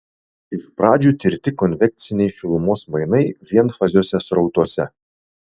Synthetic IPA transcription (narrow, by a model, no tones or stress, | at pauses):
ɪʃpɾɑːd͡ʒʲuːt̪ʲɪɾʲt̪ʲɪkɔnʲʋʲɛk̚t̪sʲɪnʲɛɪʃʲɪlˠʊmoːsmɐɪnɐɪʋʲiɛnfɐzʲuːsʲɛsɾɒʊt̪uɔsʲɛ